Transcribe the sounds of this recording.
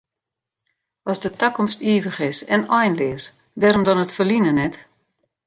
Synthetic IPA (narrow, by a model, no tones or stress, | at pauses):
ɔsdətakɔmstiːvəχɪsɛnɔjnlɪəs | dɛɾomdɔnətfəlinənɛt